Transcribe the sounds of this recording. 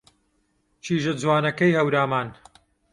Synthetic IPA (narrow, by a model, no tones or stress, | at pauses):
t͡ʃʰiːʒɐd͡zwaːnɐkɐjhɐwɾaːmaːn